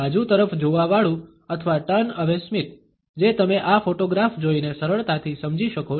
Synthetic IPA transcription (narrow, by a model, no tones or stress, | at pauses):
ad͡ʒũt̪əɾəfd͡ʒoʋaʋaɭũ | ət̪ʰəʋaʈənəʋesmit̪ | d͡ʒet̪əmeʔafoʈoɡɾafd͡ʒoinesəɾəɭt̪at̪ʰisəmd͡ʒiʃəko